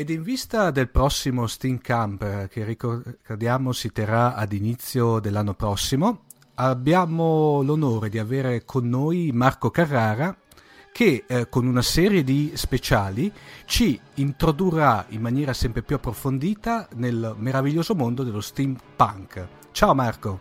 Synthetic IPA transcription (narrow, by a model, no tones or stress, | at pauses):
ed̪iɱvist̪ad̪elpɾɔsːimost̪imkampkerikokad̪jaːmosit̪eɾaad̪init̪sːjod̪elːanːopɾɔsːimo | abːjaːmolonoːɾed̪iaveːɾekʰonːojmarkokarːaːɾa | kʰekːonunasɛːɾjed̪ispet͡ʃaːlit͡ʃiːnt̪ɾod̪urːaimmːanjɛːɾasɛmpɾepjuapːɾofond̪iːt̪anelmeɾaviʎːoːzomond̪od̪elːost̪impaŋk | t͡ʃaːomarko